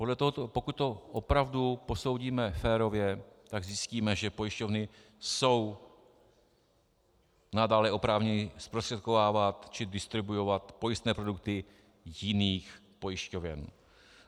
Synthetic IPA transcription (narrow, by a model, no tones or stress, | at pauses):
po̞dlɛt̪oɦot̪opo̞kuc̪̚t̪o̞ʔopɾavdupo̞so̞wɟiːmɛfɛːɾo̞vjɛt̪aɡzjɪsciːmɛʒɛpo̞jɪʃco̞vnɪ | so̞w | nadaːlɛʔo̞pɾaːvɲɛɲɪspɾost̪r̥ɛt̪ko̞vaːvat̪t͡ʃɪdɪst̪ɾɪbujovat̪po̞jɪst̪nɛːpɾo̞duk̚t̪ɪ | jɪniːxpo̞jɪʃcovɛ̰n